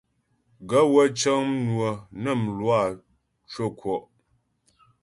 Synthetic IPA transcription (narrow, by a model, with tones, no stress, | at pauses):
ɡə˦wə˦t͡ʃə˦ŋm˦nwə˨nə˦˨m̩˨lwa˦˨ | t͡ʃwo˦kwɔ˨ʔ